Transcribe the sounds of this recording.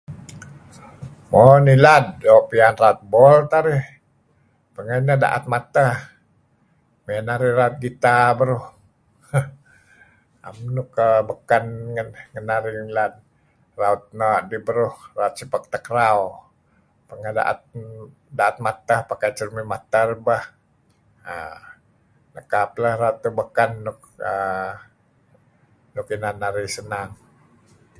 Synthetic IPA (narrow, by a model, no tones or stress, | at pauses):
monilad̚doʔpianraut̪̚bɔlt̪aɾɪh | pəŋajnəda̰ʔa̰t̪̚mat̪əh | məjanaɾɪhraʊt̪̚ɡit̪abəɾʊh | a̰mnukəbəkanŋənŋənaɾinilad̚ | raut̪̚naʔdibəɾuhraut̪̚sipak̚t̪əkɾaw | pəŋahda̰ʔa̰t̪̚ | daʔːt̪̚mat̪ahpakajt͡ʃəɾmimat̪arbah | ə | nəkapləhraut̪ːubəkanːʊk̚ | ə | nʊkinanːaɾisənaŋ